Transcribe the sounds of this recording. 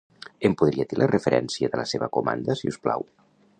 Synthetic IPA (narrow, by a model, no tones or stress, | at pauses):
empuðɾiat̪ilʔərəfəɾʔɛnsiəðələseβəkumand̪əsiusplaw